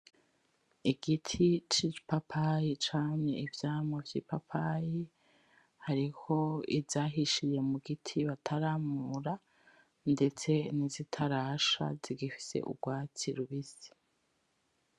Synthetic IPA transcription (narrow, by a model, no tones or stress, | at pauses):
iɡitʰit͡ʃipapʰajit͡ʃaːŋe̞ʔivjaːmovjḭːpapʰaji | haɾiho̞ḭvjaɦiʃiɾje̞muɡitʰiβatʰaɾaːmuɾa | nde̞t͡se̞nizitʰaɾaʃa̰ziɡifi̥se̞̰ʔṵɡwaːt͡siɾuβizi̥